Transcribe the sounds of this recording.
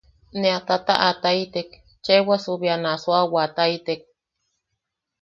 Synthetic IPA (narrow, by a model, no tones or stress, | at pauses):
neat̪at̪a̰ʔat̪ait̪ek | t͡ʃewasuβjanaswawat̪aijt̪ek̚